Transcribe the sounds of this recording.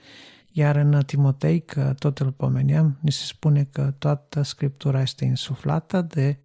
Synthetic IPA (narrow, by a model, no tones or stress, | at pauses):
jaɾɨnt̪imo̞t̪e̞jkʰət̪o̞t̪ɨlpo̞me̞neamnise̞̥spune̞kət̪oat̪əskɾip̚t̪uɾaje̞st̪e̞insufla̰t̪əd̪e̞